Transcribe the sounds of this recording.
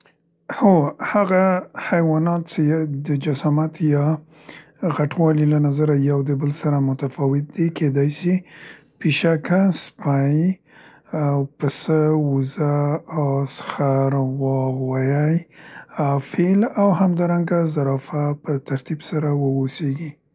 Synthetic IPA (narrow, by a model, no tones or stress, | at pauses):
hohaɣahajwɑnɑt̪t͡ʃed̪əd͡ʒasamat̪ʰjɑ | ɣaʈwɑlilanazaɾajawd̪əbəlsaɾamʊt̪afɑwɪt̪̚d̪ikʰed̪ɑjsi | piʃakaspaj | pəsəwuzaawsxaɾwɑɣwajajafelawhamd̪ɑɾaŋɡazaɾɑfapət̪aɾt̪ibsaɾawəoseɡi